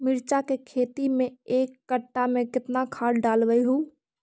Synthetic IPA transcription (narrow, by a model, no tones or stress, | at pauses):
mɪɾt͡ʃakekʰeːt̪imẽeːkːəʈːamẽkɪt̪nakʰaːɽɖaːlʋəiɦuː